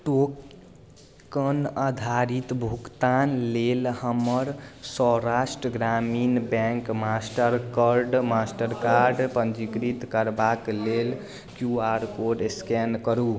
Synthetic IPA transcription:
ʈok | kənad̪ʱaɾit̪bʱukt̪anlelhəməɾsɔɾasʈɾəɡɾaminbɛŋkmasʈəɾkəɾɖmasʈəɾkaɾɖpənd͡ʒikɾit̪kəɾbaklel | kjuaɾkoɖskɛnkəɾu

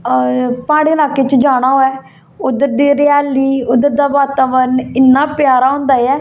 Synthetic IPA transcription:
pãːɽeːlaːkeːt͡ʃd͡ʒaːɽ̃aːɦoːɛː | ʊd̪əɾd̪iːɾɪjaːliːʊd̪əɾd̪aːʋaːt̪əʋənɪnːãːpjaːɾaːɦʊ̃ːnd̪aːjɛː

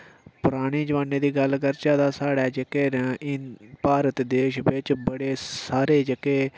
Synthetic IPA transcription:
pʊɾaːɽ̃iːd͡ʒəʋaːneːd̪iːɡəlkəɾt͡ʃaːd̪aːsaːɽɛːd͡ʒekeːɾɪpaːɾət̪d̪eːʃbɪt͡ʃbəɽeːsaːɾeːd͡ʒekeː

